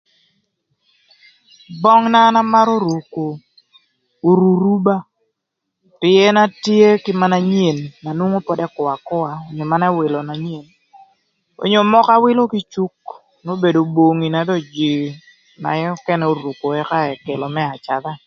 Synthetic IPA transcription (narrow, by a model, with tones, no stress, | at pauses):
bɔ˦ŋna˦na˦ma˦ɾo˦ɾu˨ko˨ | o˨ɾu˨ɾu˦ba˦ | pɪ˨˦ɛ˦na˦tje˦kɪ˦ma˦na˦ɲ˦e˨nːa˨nwo˦ŋo˦pɔ˦dɛ˦kʊ˨a˨kʊ˦a˨o˨ɲo˨ma˦na˦wɪ˨lo˨na˨ɲ˦e˨n | o̰˨ɲo˨mɔ˦ka˦wɪ˦lo˦ki˦t͡ʃu˦k | no˦be˨do˨bo˨ŋi˨na˨˦dɔ˦˨d͡ʒi˨ | na̰˨jɔ˦kɛ˦nɛ˨o˨ɾu˨ko˨ɛ˦ka˦ɛ˨ke˨lɔ˨mɛ˦a˨t͡ʃa˨d̪a˦